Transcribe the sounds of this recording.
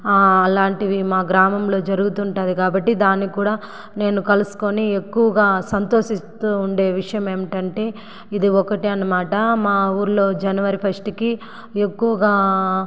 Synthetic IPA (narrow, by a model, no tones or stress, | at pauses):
ɐlaːɳʈiʋimaːɡɾaːmɐmlo̞ːd͡ʒɐɾuɡut̪uːɳʈaːd̪ikaːbɐʈːid̪aːnːikuːɽaː | ne̞ːnukɐlusu̥ko̞niekːuʋɐɡaːsɐnt̪o̞ːʃist̪uːɳɖe̞ːʋiʂɐjɐme̞ːmiʈɐɳʈe̞ː | id̪iɔkɐʈiɐnːɐmaːʈɐmaːuːɾuloːd͡ʒɐnɐʋɐɾipʰɐsʈki | ekːuʋɐɡaː